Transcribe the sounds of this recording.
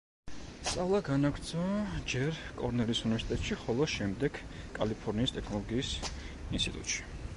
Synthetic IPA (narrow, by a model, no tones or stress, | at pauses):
st̪sʼavlˠaɡanaɡɾt̪sʰɔd͡ʒɛɾkʼɔɾnɛlisunivɛɾsi̥t̪ʼɛt̪ʼʃiχɔlˠɔʃɛmd̪ɛɡ | kʼalipʰɔɾniːst̪ʼɛkʰnɔlˠɔɡiːs | inst̪ʰʼit̪ʼṵt̪ʼʃi̥